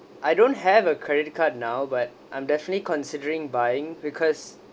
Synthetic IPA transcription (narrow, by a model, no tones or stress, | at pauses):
ʔajdõnt̚ɦɛvəkʰɹɛdɪt̚kʰat̚nawbat̚ʔãj̃mdɛfənətlikɔ̃nsidəɹɪ̃ŋbajɪ̃ŋbikʰɔs